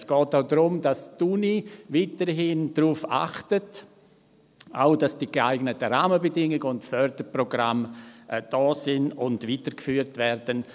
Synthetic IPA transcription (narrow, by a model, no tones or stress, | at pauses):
sɡ̥ɔːtaʊdɾʊmdastuniviːtəɾɦɪnd̥ɾuːfa̰χtət | ʔaʊd̥asd̥iɡ̥eaɪɡnətəɾaːməbədɪŋɪɡəʊntfœɾdəɾprɔɡʁamʔd̥ɔːsɪnʊndviːtəɾkfyːɾtvɛɾdən